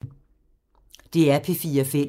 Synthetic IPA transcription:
d̥e̝æɐpʰe̝fiːɐfe

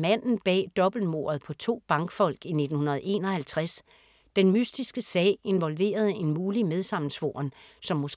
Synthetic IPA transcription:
mæn̰n̩b̥ɛ̰ːd̥ɒ̽b̥l̩mo̝̰ːɐðˠpʰɒ̽t͡sʰo̝̰ːb̥ɑ̈ŋɡ̥fɒ̽l̰ɡ̥ine̝d̥n̩hunɐð̞ˠe̝̰ːnɒ̽hælt͡sʰʁas | d̥enmysd̥isɡ̥əsɛ̰ːe̝nʋɒ̽lʋe̝̰ːɐð̞ˠe̝nmuːlimeð̞ˠsɑ̈m̰n̩sʋo̝ɐnsɒ̽mːo̽s

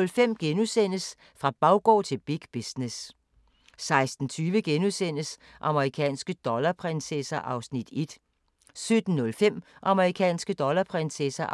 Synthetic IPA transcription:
lfem̰ɡ̥enusen̰əs | fʁɑ̈b̥ɑ̈ʊɡ̥ɒ̰ːt͡sʰe̝lb̥iɡ̥b̥isnes | sɑ̈ɪsd̥n̩t͡sʰyːʋəɡ̥enusen̰əs | ʔɑ̈məʁikʰɛ̰ːnsɡ̥əd̥ɒ̽lɐpʰʁɛnsesɐʔɑ̈ʊsnid̥e̝d̥ | sød̥n̩ːɔ̽lfem̰ʔɑ̈məʁikʰɛ̰ːnsɡ̥əd̥ɒ̽lɐpʰʁɛnsesæ

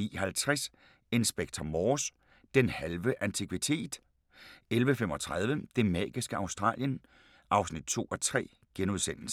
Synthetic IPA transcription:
ḭhælt͡sʰʁas | e̝nsb̥eɡ̥̚t͡sʰɒmɒːs | d̥enhælʋəʔænt͡sʰikʰʋit͡sʰe̝̰ːd̥ | elʋəfem̰ɒ̽t͡sʰʁað̞ˠʋəd̥e̝mɛ̰ːɡ̥isɡ̥əɑ̈ʊsd̥ʁɑ̰̈ːljən | ʔɑ̈ʊsnid̥̚t͡sʰo̝̰ːɒ̽t͡sʰʁɛ̰ː | ɡ̥enuð̞ˠsen̰l̩sə

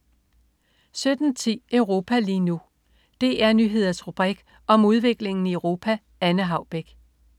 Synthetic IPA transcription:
sød̥n̩t͡sʰḭːʔœʊʁo̝ːpʰæliːnu | d̥e̝ʔæɐnyɦe̝ð̞̰ˠɐsʁub̥ʁiɡ̥ | ɒ̽muð̞ˠʋe̝ɡ̥le̝ŋn̩iəʊʁo̝ːpʰæ | ænəɦɑ̈ʊb̥eɡ̥

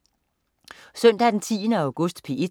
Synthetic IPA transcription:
sœn̰d̥æd̥ent͡sʰḭːənəɑ̈ʊɡ̥ɔ̽sd̥pʰee

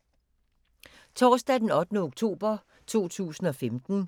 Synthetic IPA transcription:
t͡sʰɒːsd̥ɛdenɒ̽d̥ənəoɡ̥̚t͡sʰo̝̰ːb̥ɐ | t͡sʰo̝̰ːt͡sʰṵːsn̩ɒ̽femd̥n̩

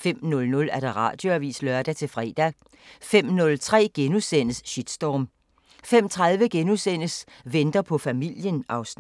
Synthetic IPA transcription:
fem̰nɔ̽lnɔ̽læɐd̥ëʁɑ̰̈ːd̥jo̝æʋḭːslœɐd̥æt͡sʰe̝lfʁɛ̰ːd̥æ | fem̰nɔ̽lt͡sʰʁɛ̰ːɡ̥enusen̰əsɕid̥sd̥ɒːm | fem̰t͡sʰʁað̞ˠʋəɡ̥enusen̰əs | ʋend̥ɐpʰɒ̽fæmil̰jənɑ̈ʊsn

